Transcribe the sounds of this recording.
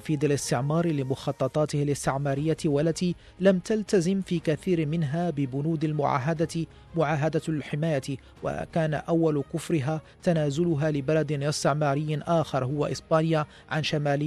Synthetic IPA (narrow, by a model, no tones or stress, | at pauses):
fiːd̪ˤalɪst̪ɪʕmɑːɾˤlɪmʊxɑːt̪ˤːɑt̪ˤɑːt̪ɪhalɪst̪ɪʕmɑːɾɪjːawalːat̪iː | lamt̪alt̪azɪmfiːkaθiːɾmɪnɦaːbɪbʊnuːd̪almʊʕa̰ːɦad̪a | mʊʕaːɦad̪alħɪmaːja | wa̰kaːna̰ʔawːalkʊfɾɪɦaːt̪anaːzʊlʊɦaːlɪbalad̪ɪnɪst̪ɪʕmɑːɾɪjːʔaːxɑɾˤɦʊwːaʔɪsˤbaːnɪja | ʕanʃamaːlɪ